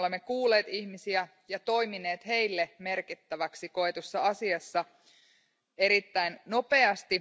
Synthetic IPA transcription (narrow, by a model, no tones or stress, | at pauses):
lemːekuːle̞ːt̪içmisiæ | jɑt̪o̞jmine̞ːt̪he̞ilːeme̞rkit̪ːæʋæksiko̞et̪usːɑɑsiɑsːɑ | eɾit̪ːæinno̞pe̞ɑst̪i